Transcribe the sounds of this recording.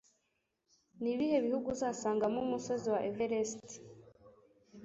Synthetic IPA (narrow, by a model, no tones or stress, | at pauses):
niβihe̞βihuɡuzaːnsaːŋɡamumusoziwaʔeveɾesti̥